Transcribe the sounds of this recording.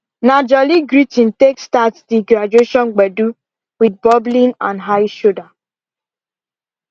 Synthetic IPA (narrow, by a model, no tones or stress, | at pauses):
nad͡ʒɔliɡɾitĩntekstatsdiɡɾad͡ʒueʃɔ̃nɡ͡bɛdu | wid̚bɔblĩnãnɦaɪʃoda